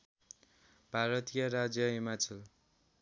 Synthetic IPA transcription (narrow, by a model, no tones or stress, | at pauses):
bʱaɾʌt̪ijʌɾad͡zjʌɦimat͡sʌl